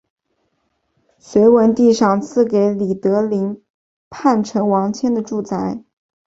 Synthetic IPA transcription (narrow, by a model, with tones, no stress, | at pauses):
ɕɥe˧˥ɪwə˧˥nt̪i˥˧ʂɑ˥˧ŋt͡sʰɹ̩˥˩ke˧˥ɪli˨˩t̪ɤ˧˥li˧˥ŋ | pʰa˥˩nʈ͡ʂʰɤ˧˥ŋwɑ˧˥ŋt͡ɕʰjɛ˥nd̪ə˨ʈ͡ʂu˥˩t͡sʰa˧˥ɪ